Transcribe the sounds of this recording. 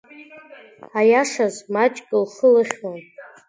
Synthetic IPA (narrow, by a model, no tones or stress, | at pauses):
ajaʂazmat͡ʃʼkʼɨlχəlɨχʲwan